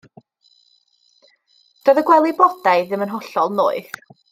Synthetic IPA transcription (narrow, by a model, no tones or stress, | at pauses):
d̥ɔðəɡwɛlˠibɔd̥aɨðɪmənɦɔɬɔlˠno̰ːɨð